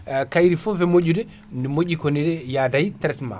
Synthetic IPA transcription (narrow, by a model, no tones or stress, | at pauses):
kajɾifɔvɛmoɟːudɛ | ndɛmoʄːikonidɛjaːdajitɛɾɛtma̰